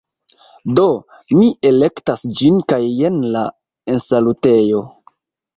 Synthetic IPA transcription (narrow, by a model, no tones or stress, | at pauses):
do̞ | miʔe̞le̞ktasd͡ʒinkaje̞nla | ensalute̞jo̞